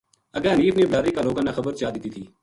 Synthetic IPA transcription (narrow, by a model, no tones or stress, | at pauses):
əɡəɦəniːfneːblaːɾiːkaːloːɡãːnaːxəbəɾt͡ʃaːd̪ɪt̪iːt̪ʰiː